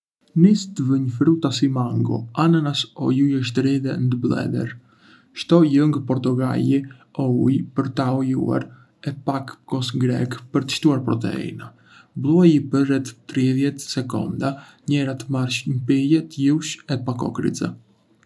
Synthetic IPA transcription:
nist̪əvəɲfɾut̪asimaŋɡɔ̰ananasɔjujəʃ̬t̪əɾiðɛnd̪əblˠɛ̰d̪ɛ̰ɾ | ʃt̪ɔjəŋɡpɔɾt̪uɡa̰ʎiɔujpəɾt̪aɔjṵa̰ɾ | ɛpakkɔsɡɾɛ̰kpəɾt̪ə̥ʃt̪uaɾpɾɔt̪̬ɛ̰ḭna | blˠuajipəɾɛt̪ːɾiðjɛt̪sɛkɔ̰nd̪a | ɲɛɾat̪əmaɾʃɲəpijɛt̪juʃɛpakɔ̰kɾḭt͡sɛ̰

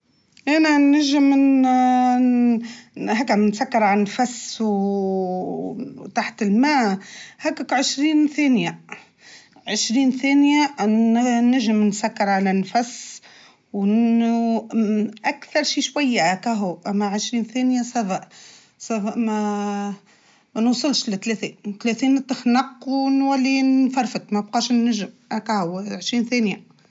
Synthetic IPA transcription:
ʔænanaʒɪm | ɦakːnsakːɪɾˤʕanfasw | t̪aħt̪ɪlmaːhækːakʕɪʃɾiːnθæːnja | ʕɪʃɾiːnθæːnja | naʒɪmnsakːɑɾˤʕalanfas | w | ʔækθɑɾˤʃiːʃwæjːaʔækæɦuʔæmːæʕəʃɾiːnθæːnjasæbaʔ | sæbʔmæ | mænwsˤɨlʃlɪt̪ːlæθint̪læθiːnt̪ːəxnɑqːwnwælːifɑɾˤfət̪mæbqɑːʃnːæʒɪmʔækæhuʕəʃɾiːnθæːnja

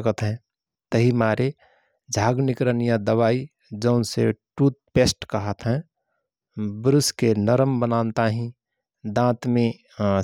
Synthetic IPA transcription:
kət̪ɦɛ̃ | t̪əɦimaɾe | d͡ʒʱaːɡnɪkɾənijãd̪əβaːi | d͡ʒəʊnsḛʈut̪̚pesʈkəɦət̪ɦɛ̃ | bɾʊskenəɾəmbənant̪aɦĩ | d̪ãːt̪mẽ

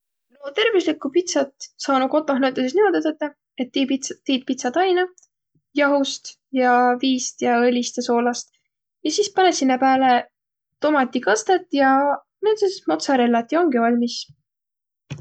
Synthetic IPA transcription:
lot̪e̞rvislikːˑupit̪sɑt̪sɑːnuko̞t̪ːˑoɦnæwt̪ːˑɑsesnimod̪et̪et̪ːˑɑ | et̪ːt̪iːt̪̚pit̪sɑd̪̥ɑjnɑ | jɑɦust̪ | jɑviːst̪jɑɤlʲist̪eso̞ːlɑst̪ | jɑsiːspɑnesinːɑpæːle | t̪o̞mɑt̪ʲːˑikɑst̪et̪ˑjɑ | net̪sesesmot̪sɑɾelːɑt̪ːˑjo̞ŋɡivɑlʲmis

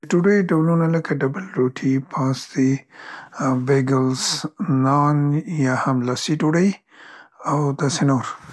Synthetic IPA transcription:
ʈuɽəjiɖablunaləkaɖabəlɾoʈʰipʰɑ̃sd̪i | beɡɪlznɑnjahamlasiʈoɽəj | awd̪asenoɾ

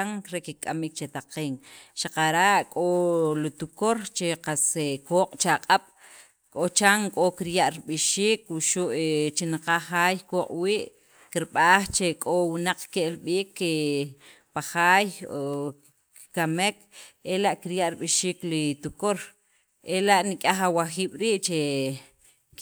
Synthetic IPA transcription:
aŋɾekikʼamik̚t͡ʃet̪aqeːŋʃaqaɾaʔkʼolit̪ukoɾt͡ʃeqasekoːqʼt͡ʃaqʼaɓ̥ | kʼot͡ʃaŋkʼokiɾjaʔɾiɓiʃiːkwuʃuʔet͡ʃinaqaχaːjkoːqʼwiːʔ | kiɾɓaːχt͡ʃekʼowinaq͡χkeʔlɓiːkːe | paχaːjo | kikamekelaʔkiɾjaʔɾiɓiʃiːklit̪ukoɾ | elaʔnikʼaχawaxiːɓ̥ɾiːʔt͡ʃe

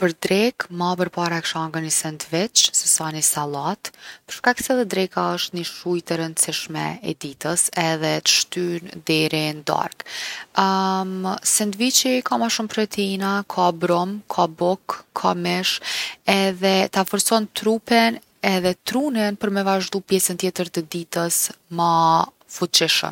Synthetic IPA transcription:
pəɾd̪ɾɛkmapəɾpaɾaɛkʃaŋɡanisɛnd̪vɛt͡ʃsɛsanisalˠat̪pəɾʃkaksɛðɛd̪ɾɛkaəʃt̪niʃujt̪əɾənsiʃmɛ̰ɛd̪it̪əsɛðɛt̪ə̥ʃt̪ynd̪ɛɾind̪a̰ɾk | sɛnd̪vit͡ɕikamaʃumpɾɛt̪inakʰabɾɔmkʰabɔkʰːamɛʃɛðɛt̪afɔɾsɔnt̪ɾupɛn | ɛðɛt̪ɾunɛnpəɾmɛvaʒd̪upjɛsənt̪jɛt̪əɾt̪əd̪it̪əsma | fut͡ʃiʃə̰m

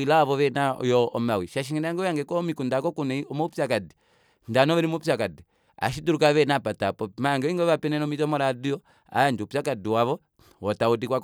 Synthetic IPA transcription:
ilawaβɔʋɛnaɔ̰jɔɔmawiʃaʃiŋɛnaaŋɡɔjaŋɡɛkɔmikundakɔkunɛiɔmɔupakadi | ndanɔβɛɾimupsakadi | a̰ʃiduɾukaβɛnapatapɔmaŋɡɛɔiŋɡɔapɛnɛnɔmitɔmɔɾadiɔ | a̰jand͡ʒupsakadiwaβɔ | wɔtaudikwak

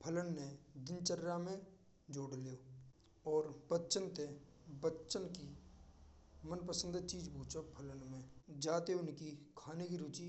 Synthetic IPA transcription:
pʰələnːed̪ɪnt͡ʃəɾamẽ | d͡ʒoːɽlijoː | ɔːɾbətːʃənt̪e | bətːʃənki | mənpəsə̃nd̪t͡ʃiːd͡ʒpũːt͡ʃopʰələnmẽd͡ʒaːt̪eʊnkikʰaːnekiɾuːt͡ʃi

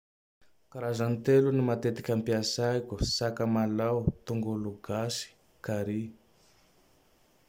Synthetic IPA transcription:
kaɾazant̪elunimat̪et̪i̥kʲampiasajkusakəmalawt̪uŋɡoluɡasi̥ | kaɾi

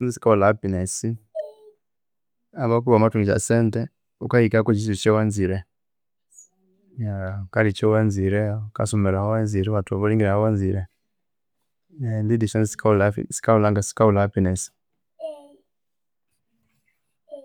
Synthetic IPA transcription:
ɔnzisi̥kaulapinɛsi | aβak̬uwamatuŋit͡ʃa̰sɛntɛ | ukaikakɔt͡ʃisit͡ʃɛwanziɾɛ | jakalit͡ʃɛwanziɾɛukasɔmɛɾahɔwanziɾɛβatuaβaliŋɡiɾaɔwanziɾɛ | andidiʃɔnzisi̥kaula̰si̥kaulaŋɡasi̥kaulapinɛsi̥

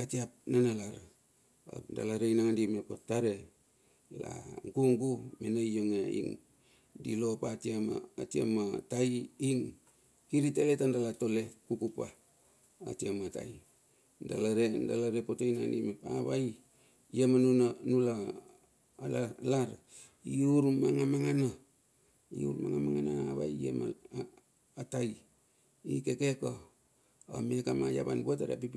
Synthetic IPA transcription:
atiap̚nanalaɾa | a̰da̰laɾejnaŋndimepotaɾe | la̰ŋkuŋɡumenaijoŋeḭŋ | dilo̞patiama̰ːtia̰matajiŋ | kiɾitaletandalatolekukupa̰ː | tiamata̰i | ndalaɾendalaɾepotojna̰nimepa̰βaj | jemanunanula | lalaɾ | iuɾmaŋamaŋana | iṵɾmaŋamaŋanaaβa̰jḛma̰ | ataj | ikekeko | amekamaja̰βa̰nbuataɾa̰pip

